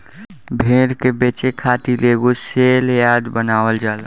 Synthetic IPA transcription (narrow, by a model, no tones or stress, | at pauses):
bʱeːɾkebeːt͡ʃekʰaːt̪ileːɡoseːljaːd̪bənaːwəld͡ʒaːl